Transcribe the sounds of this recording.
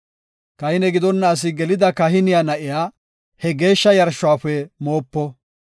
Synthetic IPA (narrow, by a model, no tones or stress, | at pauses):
kɐhɪnɛɡɪd̪ɔnːɐːs̬ɪɡɛlɪd̪ɐkɐɦɪnɪjanɐʔɪjaː | hɛɡe̞ːʃːɐjɐɾʃʊaːfɛmo̞ːpːɔ